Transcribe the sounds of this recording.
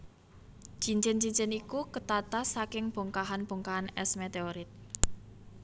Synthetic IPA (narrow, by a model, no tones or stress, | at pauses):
d͡ʒiɲt͡ʃɪnt͡ʃiɲt͡ʃɪnikukət̪at̪asakɪŋb̥o̤ŋkaɦanb̥o̤ŋkaɦanɛsmet̪eoɾɪt̪̚